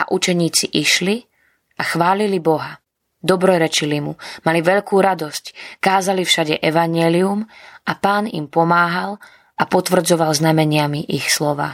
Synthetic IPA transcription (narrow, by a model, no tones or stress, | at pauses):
a̰ʔut͡ʃɛɲiːt͡siʔiʃli | ʔaxʋaːlilibɔɦa | d̪ɔbɾɔjɾɛt͡ʃilimumaliʋɛʎkuːɾad̪ɔsckaːzalifʃaɟɛʔɛʋaɲɪɛliumapaːnḭmpɔmaːɦal | ʔapɔt̪ʋr̩d͡zɔʋalznamɛɲɪamiʔixslɔʋa̰ː